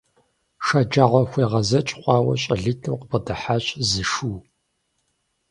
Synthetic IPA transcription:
ʂad͡ʒaːʁʷɔxʷeːʁɐzɐt͡ʃʼχʷɑːwɐ̰ɕʼɐɮɨtʰɨwqəbədɐħaɕʼzɨʂuː

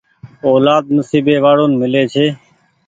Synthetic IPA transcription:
oːlaːd̪̚mʊsiːbeːʋaːɽoːnmɪleːt͡ʃʰeː

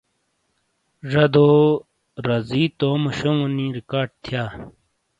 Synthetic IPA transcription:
ʐɐd̪o | ɾɐziːt̪oːmɐɕoŋunĩɾikaːɖ̚t̪ʰjaː

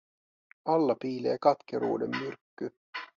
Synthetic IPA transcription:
ɑlːɑpiːleːkɑt̪keɾṵːdemːyrkːy

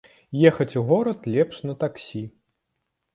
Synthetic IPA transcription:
jɛxɐt͡sʲuɣɔɾɐt̪lʲɛpʂnɐt̪aksʲi

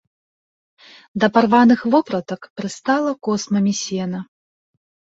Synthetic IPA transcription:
d̪ɐparvanɨxvɔpɾɐt̪ɐkpɾɨst̪alˠɐkɔsmɐmʲisʲɛnɐ

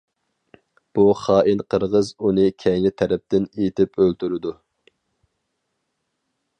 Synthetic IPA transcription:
b̥uχɑːʔinqʰəɾʁəzunɨkʲʰɛjnɪt̪ʰɛɾɛp̚t̪ɪnet̪ʰɪpʰølt̪ʰyɾɪd̪u

